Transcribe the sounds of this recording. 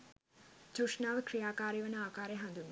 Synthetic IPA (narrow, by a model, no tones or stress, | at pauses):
t͡ɕoʂnaːʋkrijaːkaːɾiʋɐnɐaːkaːɾeɦɐnd̪unu